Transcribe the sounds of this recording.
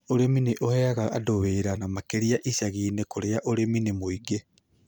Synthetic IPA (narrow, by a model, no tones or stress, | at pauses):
oɾemineʔohɛaɣaa̰doβeːɾanamakeɾiaʔisaɣiːnekoɾeaʔoɾeminimoiɡe